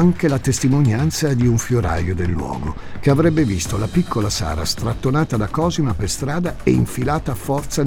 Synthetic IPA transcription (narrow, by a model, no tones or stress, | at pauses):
aŋkelat̪est̪imonjant̪sad̪iuɱfjoɾa̰jod̪elːwɔ̰ːɡo | keavɾɛbːevist̪olapikʰːolasa̰ːɾa̰st̪ɾat̪ːonaːt̪ad̪akɔːzinaperst̪ɾaːd̪aḛiɱfilaːt̪aːfɔrt̪sa